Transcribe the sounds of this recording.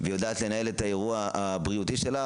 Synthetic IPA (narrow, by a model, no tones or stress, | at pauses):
vejodaːt̪le̞nae̞letae̞ʁuaabʁiutiʃe̞la